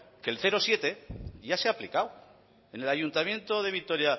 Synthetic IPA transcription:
ke̞lθe̞ɾo̞sje̞t̪e̞ʝaseaplikaw | e̞ne̞laʝunt̪amjẽ̞nt̪o̞ð̞e̞βit̪o̞ɾja

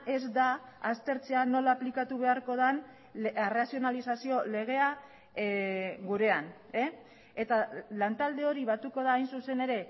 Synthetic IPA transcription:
ʔe̞zd̪aːst̪e̞ɾt͡se̞ano̞laːplikat̪uβe̞aɾko̞ð̞an | erasio̞nalisasio̞le̞ɣ̞e̞a | ɡuɾe̞an | e | et̪alant̪ald̪e̞o̞ɾiβat̪uko̞ð̞aːjnsuse̞ne̞ɾe̞

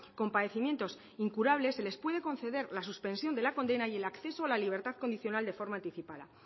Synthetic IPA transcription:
ko̞mpaðe̞θimje̞nt̪o̞s | iŋkuɾaβ̞le̞sːe̞le̞spwe̞ð̞e̞ko̞nθe̞ðe̞ɾlasuspẽ̞nsjo̞nd̪e̞lako̞nd̪e̞naie̞lakθe̞soalaliβ̞e̞ɾt̪að̥ko̞nd̪iθjo̞nald̪e̞fo̞ɾmãːnt̪iθipaða̰

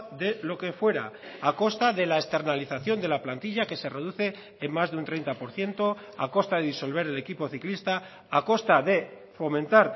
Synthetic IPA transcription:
ðe̞lo̞ke̞fwe̞ɾa̰ːko̞st̪aðelaest̪e̞ɾnaliθaθjo̞nd̪e̞laplant̪iʎake̞se̞re̞ðuθe̞ː | mmazðunt̪ɾe̞jnt̪apo̞ɾθje̞nt̪o̞ | a̰ko̞st̪aðeðiso̞lβ̞e̞ɾele̞kipo̞θiklist̪aː | ko̞st̪aðe̞ | fo̞mẽ̞nt̪aɾ

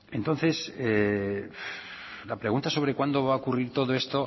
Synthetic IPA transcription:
e̞nt̪o̞nθe̞sef | lapɾe̞ɣunt̪aso̞βɾekwand̪o̞β̞aokuriɾt̪o̞ð̞o̞e̞st̪o̞

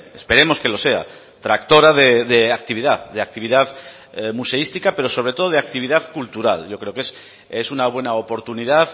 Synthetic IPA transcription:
espe̞ɾe̞mo̞ske̞lo̞se̞a̰ | t̪ɾakt̪o̞ɾaðeðeak̚t̪iβ̞iðaððeak̚t̪iβ̞iðað | muse̞ist̪ikape̞ɾo̞soβɾe̞t̪o̞ðo̞ðak̚t̪iβ̞iðaðkult̪uɾa̰lʝo̞kɾe̞okes | esunaβ̞we̞naopo̞ɾt̪unið̞að

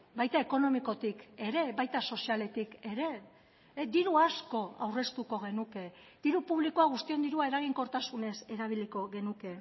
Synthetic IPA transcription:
bajt̪ae̞ko̞no̞miko̞t̪ike̞ɾe̞βajt̪aso̞siale̞t̪ike̞ɾe̞ | d̪iɾuasko̞a̰wre̞st̪uko̞ɣ̞e̞nuke̞ | d̪̥iɾupuβ̞likoaɣ̞ust̪io̞nd̪iɾuae̞ɾaɣ̞iŋko̞ɾt̪asune̞se̞ɾaβ̞iliko̞ɣe̞nuke̞

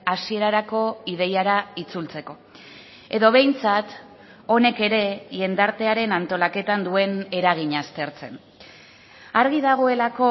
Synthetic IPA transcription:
asie̞ɾaɾako̞ið̞e̞jaɾait͡sult͡se̞ko̞ | e̞ðo̞β̞e̞jnt͡sat̪ | o̞ne̞ke̞ɾe̞ʝe̞nd̪aɾt̪e̞aɾe̞nant̪o̞lake̞t̪and̪ue̞ne̞ɾaɣ̞iɲast̪e̞ɾt͡se̞n | aɾɣið̞aɣ̞o̞e̞lako̞

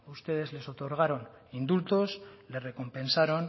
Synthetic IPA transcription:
ust̪e̞ð̞e̞zle̞so̞t̪o̞ɾɣ̞aɾo̞n | ind̪ult̪o̞sle̞re̞ko̞mpe̞nsaɾo̞n

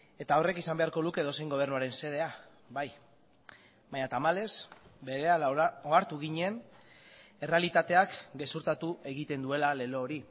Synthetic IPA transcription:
e̞t̪ao̞re̞kisambe̞aɾko̞lukeðo̞sejŋɡo̞βe̞ɾnuaɾe̞nse̞ð̞e̞a | baj | baɲat̪amale̞sbe̞ɾe̞aoaɾt̪uɣiɲe̞n | e̞re̞alit̪at̪e̞akɡe̞suɾt̪at̪uʔe̞ɣit̪e̞nd̪ue̞lale̞lo̞ːɾi

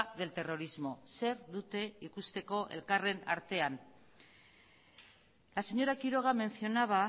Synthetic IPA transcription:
ðe̞lt̪e̞ro̞ɾizmo̞se̞ɾðut̪e̞ikust̪e̞ko̞ʔe̞̰lkare̞na̰ɾt̪e̞an | lase̞ɲo̞ɾakiɾo̞ɣ̞ame̞nθio̞naβa

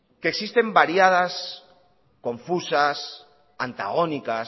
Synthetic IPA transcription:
keksist̪e̞mbaɾjað̞as | kõ̞ɱfusas | ant̪a̰ɣ̞onika

